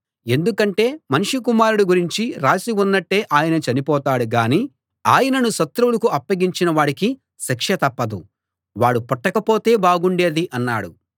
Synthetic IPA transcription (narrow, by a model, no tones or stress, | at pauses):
e̞nd̪ukɐɳʈe̞ːmɐniʂukumaːɾuɽuɡuɾiɲt͡ʃiɾaːsiunːɐʈːe̞ːʔaːjɐnɐt͡ʃɐnipɔːt̪aːɽuɡaːniː | aːjɐnɐnusɐt̪ɾulɐkuʔɐpːɐɡiɲt͡ʃinɐʋaːɽiki | ʃɐkʂɐt̪ɐpːɐd̪u | ʋaːɽupɔʈːɐkɐpo̞ːt̪e̞ːbaːɡuɳɖe̞ːd̪iʔɐnːa̰ːɽu